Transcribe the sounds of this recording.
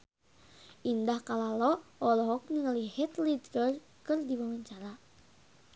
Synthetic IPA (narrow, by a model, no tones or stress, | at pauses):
ʔindahkalalɔʔɔlɔɦɔk̚niŋəlihit̪lidɾər | kɨrdiwawaɲt͡ʃaɾa